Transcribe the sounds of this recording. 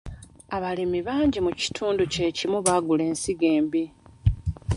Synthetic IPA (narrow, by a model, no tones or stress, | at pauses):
aβalimiβaːɲɟimuci̥tʰuːnduce̞cimuβaɡule̞ːnsiɡe̞ːmbi